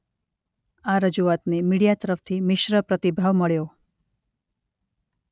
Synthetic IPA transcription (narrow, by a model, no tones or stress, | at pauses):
aɾəd͡ʒuat̪nemiɽijat̪əɾəfʰt̪ʰimɪʃɾəpɾət̪ibʱaʋməɭjo